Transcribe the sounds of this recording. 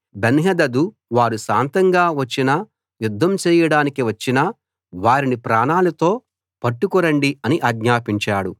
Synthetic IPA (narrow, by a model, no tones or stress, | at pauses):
benɦɐd̪ɐd̪u | ʋaːɾuʃaːnt̪ɐŋɡaːʋɐt͡ʃːinɐ | jud̪ʱːɐmt͡ʃɛːjɐɽaːnikiʋɐt͡ʃːinɐ | ʋaːɾinipɾaːɳaːlɐt̪o̞ː | pɐʈːukuɾɐɳɖiɐniʔɐɡɲaːpiɲt͡ʃaːɽu